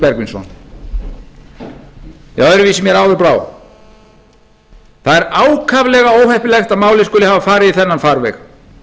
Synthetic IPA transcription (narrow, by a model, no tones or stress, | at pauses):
pɛɾkvɪnsɔ̰n | jawɛɾʏvisɪmjɛɾaːwðɪɾpɾaːw | θaðɛɾaːwkʰavlɛɣaoːwhɛhpɪlɛxt̪aðmaːwlɪskʏːlɪhavafaːɾɪðiθɛnːanfaɾvɛx